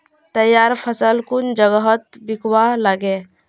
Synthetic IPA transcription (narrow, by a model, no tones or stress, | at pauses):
t̪əjaɾpʰəsəlkund͡ʒəɡəɦət̪̚bikʰwalaɡe